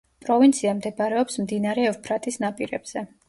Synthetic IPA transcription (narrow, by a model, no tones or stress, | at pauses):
pʼɾɔvint̪sʰiamd̪ɛbaɾɛɔpsmd̪inaɾɛɛvpʰɾat̪ʼisnapʼiɾɛb̥z̥ɛ